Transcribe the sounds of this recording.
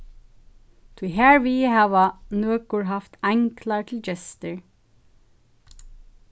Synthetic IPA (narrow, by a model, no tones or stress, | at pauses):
t̪ʰuɦæːɹʋihɑːʋanøːkʊɹɦɑft̪ʰæɪŋkʰlɑɹt̪ʰɪld͡ʒɛst̪əɹ